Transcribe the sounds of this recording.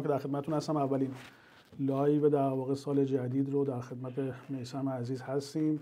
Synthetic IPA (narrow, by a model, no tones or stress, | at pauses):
mkʰed̪æɾxed̪mæt̪et̪unhæst̪æmævːæliːn | lɒːjved̪æɾɾvɒːɣesɒːle̞d͡ʒæd̪iːd̪ɾod̪æɾxe̞d̪mæt̪ʰeme̞jsæmeːziːzhæst̪iːm